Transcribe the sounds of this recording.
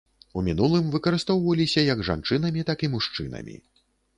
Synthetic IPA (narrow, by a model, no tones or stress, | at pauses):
umʲin̪ulˠɨmvɨkɐɾɨst̪ɔwvɐlʲisʲɐjɐɡʐa̰nt͡ʂɨnɐmʲit̪akimuʂt͡ʂɨnɐ̰mʲḭ